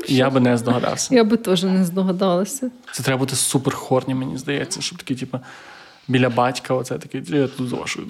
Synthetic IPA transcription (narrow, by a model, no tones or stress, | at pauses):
ijabɪnɛzd̪ɔɦɐd̪ɑ̰wsʲɐjabɪt̪ɔʒɛnɛzd̪ɔɦɐd̪ɑlˠɐsʲɐt̪ɛt̪ɾɛbɐbut̪ɪsupɛrxɔrnʲimenʲḭzd̪ɐjɛ̰t͡sʲːɐʃt͡ʃɔ̥pt̪ɐ̥kʲitʲipɐ | bʲilʲɐbɑtʲkɐɔt̪sɛt̪ɐkɪjat̪uzɐ̰a̰ʒuj̰̪